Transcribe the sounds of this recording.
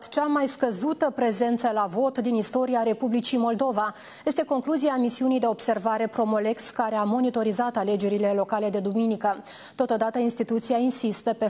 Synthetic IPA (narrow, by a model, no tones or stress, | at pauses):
t̪t͡ʃamajskəzut̪əpɾe̞ze̞nt̪səlavo̞t̪d̪inist̪o̞ɾiaɾe̞publit͡ʃimo̞ld̪o̞va | je̞st̪e̞ko̞ŋkluzieamisiunijd̪e̞o̞bse̞rvaɾe̞pɾo̞mo̞le̞kskaɾe̞amo̞nit̪o̞ɾizat̪ale̞d͡ʒe̞ɾile̞lo̞kale̞d̪e̞d̪uminikə | t̪o̞t̪o̞d̪at̪əinst̪it̪ut̪siainsist̪əpe